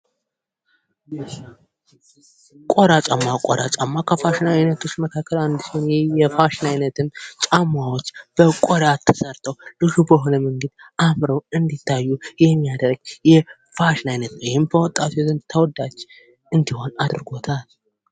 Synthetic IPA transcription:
kʼoɾat͡ʃʼamːakʼɔɾat͡ʃʼamːakʰəfaʃnajnət̪ʰo̞t͡ʃːməkʰakʰːəland̪ɨsonjɛfaʃɪnajnət̪ʰɨmt͡ʃʼamawot͡ʃːb̥əkʼɔɾatt̪ʰːɨsəɾt̪ʰəwlɨʃubəɦo̞nəmɨŋɡɨd̪ʔamɾəwɨnd̪it̪ʰːajːujɛmːijad̪əɾɡjɛ | faʃɪnajnət̪nwhɪmbəwɔt̪ʼːat̪ʰozɨnt̪ʰəwɔd̪ːat͡ʃː | ɨnd̪iho̞nad̪ɨɾɡo̞t̪ʰal

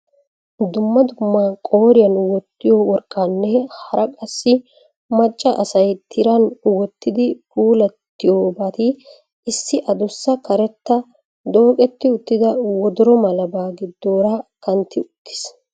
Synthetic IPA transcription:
d̪ʊmːɐd̪ʊmːɐkʼo̞ːɾɪjɐnwɔt̪ːɪjowɔɾkʼːanːɛhɐɾɐkʼɐsːɪ | mɐt͡ʃʼːɐʔɐsɐjt̪ʰɪɾɐnwɔt̪ːɪd̪ɪpuːlɐt̪ːɪjoːbɐt̪ɪ | ɪsːɪʔɐd̪ʊsːɐkɐɾɛt̪ːɐ | d̪o̞ːkʼɛt̪ːɪʊt̪ːɪd̪ɐwɔd̪ɔɾɔmɐlɐbaːɡɪd̪ːo̞ːɾɐkɐnt̪ːɪʊt̪ːɪ̥s

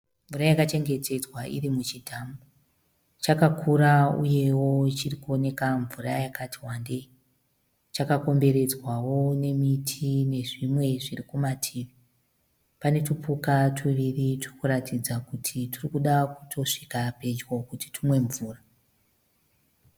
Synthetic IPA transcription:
ɱvuɾajakat͡ʃe̞ŋɡe̞te̞d͡zwaʔḭrimut͡ʃitʰaːmbo | t͡ʃakakʰuɾaṵje̞wo̞it͡ʃirikuo̞ne̞kaɱvurajakatiwande̞ | t͡ʃakako̞mbe̞ɾe̞d͡zwawo̞ne̞mitʰine̞ʐimwe̞ʐirikumatʰiːʋi | pane̞tupukatʰuʋiriturikuɾatid͡zakutʰitirikuɗaku̥tʰo̞ʂikape̞d͡ʒwokuti̥tʰumwe̞ɱvuːra

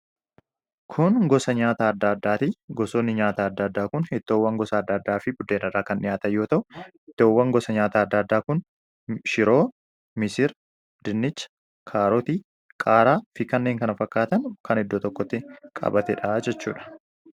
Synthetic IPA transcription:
kʰʊnɡɔsɐɲaːt̪aːɐd̪ːaɐd̪ːaːt̪ɪɡɔsoːnːɪɲaːt̪aːɐd̪ːɐːɐd̪ːaːkʊnhɛt̪ːoːwːɐŋɡɔsɐːd̪ːɐːd̪ːaːfɪbʊd̪eːnɐɾaːkɐnʔɪjaːt̪ɐjo̞ːt̪ɐʔʊhɛt̪ːoːwːɐŋɡɔsɐɲaːt̪aːɐd̪ːaɐd̪ːaːkʊn | ʃɪɾoː | mɪsɪɾ | d̪̥ɪnːɪt͡ʃː | kʰaːɾot̪i | kʼaːɾaːfɪkɐnːeːŋkɐnɐfɐkːaːt̪ɐnkɐnɛd̪ːoːt̪ɔkːɔt̪ːɪkʼɐ̰bɐt̪ɛᶑaːd͡ʒɛt͡ʃːuːᶑɐ̥

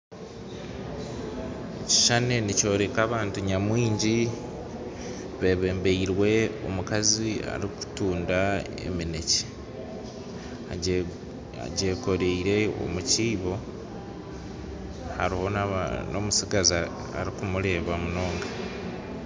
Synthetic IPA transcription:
eci̥ʃane̞nico̞ːɾe̞kaːβaːntuɲamwiːɲɟi | βe̞ːβe̞ːmbeiɾwe̞o̞̰mukazia̰ɾiku̥tuːnda | ḛmine̞ce̥ | a̰ɟe̞ːko̞ɾeiɾe̞o̰muciːβo̞ | haɾiho̞na̰no̞̰musiɡazia | a̰ɾikumuɾe̞ːβamuno̞ːŋɡa

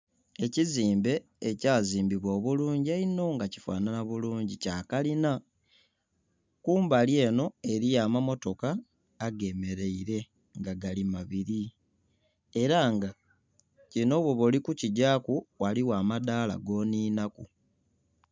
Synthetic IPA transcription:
e̞ciziːmbe̞ː | caːziːmbiβwo̞ːβuluːɲɟiaino̞ŋɡaci̥fa̰ːnanaβuluːɲɟicaːkalina | kuːmbalje̞ːno̞e̞ɾijamamo̞to̞kaː | ɡe̞meɾe̞iɾe̞ | ŋɡaɡalimaβiɾi | e̞ɾaŋɡa | cino̞βwoβulikuciɟakuwaliwaːmadaːla̰ɡo̞ːniːnaku

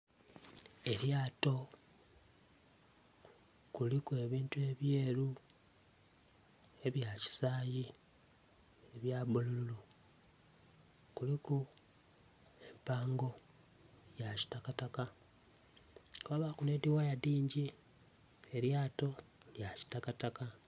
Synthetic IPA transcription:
e̞ɾjaːto̞ | kulikue̞βiːntue̞βje̞ːɾu | e̞βjaci̥saːji | eβjaːbulululo | kuliku | e̞mpaːŋɡo̞ | jaci̥takataka | kβaβakunediwajadiːɲɟi | eɾjaːto̞ljaci̥takataka

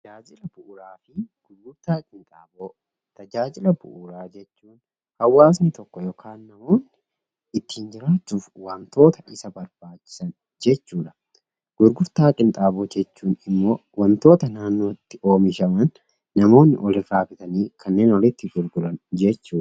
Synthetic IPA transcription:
t̪ɐd͡ʒaːd͡ʒɪlɐbʊʔʊɾaːfɪɡ̥ʊɾɡʊɾt̪aːkʼɪnt̪ʼa̰ːboː | t̪ɐd͡ʒaːd͡ʒɪlɐbʊʔʊɾaːd͡ʒɛt͡ʃːuːn | hɐwːaːs̬nɪt̪ɔkːɔjɔkʰaːnːɐmo̞ːnːɪ | ɪt̪ːiːnd͡ʒɪɾaːt͡ʃːuːfwɐmt̪o̞ːt̪ɐʔɪsɐbɐɾb̥aːt͡ʃːɪ̥sɐn | d͡ʒɛt͡ʃːuːᶑɐ | ɡ̥ʊɾɡʊɾt̪aːkʼɪnt̪ʼaːboːd͡ʒɛt͡ʃːuːnɪmːo̞ːwɐmt̪o̞ːt̪ɐnaːnːo̞ːɪt̪ːɪʔo̞ːmɪʃɐmɐnː | ɐmo̞ːnːɪ̰ʔɔlɪraːfɪt̪ɐniːkʰɐnːe̞ːnɔlɪt̪ːɪɡʊɾɡʊlɐnd͡ʒɛt͡ʃːuːᶑɐ

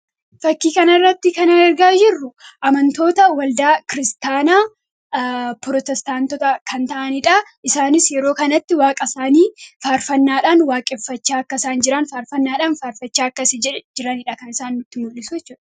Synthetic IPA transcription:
fɐkːiːkɐnɐrːɐt̪ːɪkɐnɐɛɾɡaːd͡ʒɪrːʊʔɐmɐnt̪o̞ːt̪ɐwɐld̪aːkɪɾɪst̪aːnaː | pɾɔt̪ɛst̪aːnt̪ɔt̪ɐkʰɐnt̪ɐʔɐnɪᶑɐʔɪsaːnɪsjɛɾo̞ːkɐnɐt̪ːɪwaːkʼɐsaːniːfaːɾfɐnːaːᶑaːnwaːkʼɛfːɐt͡ʃːaːɐkːɐɪsaːnd͡ʒɪɾɐnfaːɾfɐnːaːᶑaːnfaːɾfɐt͡ʃːaːɐkːɐsɛd͡ʒɪɾɐnɪᶑɐkɐnɪsaːnːʊt̪ːɪmʊlːɪsʊjɛt͡ʃːuːᶑɐ̥

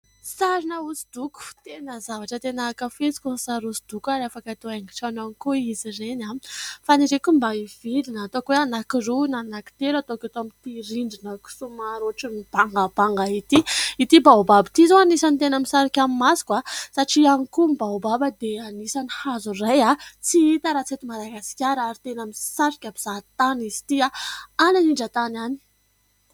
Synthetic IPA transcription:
saɾinəusid̪uku̥t̪enəzavaʈ͡ʂət̪enakəfet͡si̥kunsaɾusid̪̥ukaɾafakat̪oeŋɡi̥ʈ͡ʂananikuizirenafaniɾekumbaivilinəːt̪okweanakirunanaki̥t̪elat̪oket̪oamit̪iɾiɳɖ͡ʐinəku̥sumaɾoʈ͡ʂimib̥aŋɡab̥aŋɡait̪iit̪ibawbabit̪izowanisanit̪enəmisaɾakʲamimasi̥kwasaʈ͡ʂianikumibaobabəd̪eanisanihazurajat͡siit̪əɾat͡set̪imalaɡasi̥kʲaɾaɾit̪enamisaɾikʲabiz̥at̪anizi̥t̪iaananiɳɖ͡ʐat̪anani̥

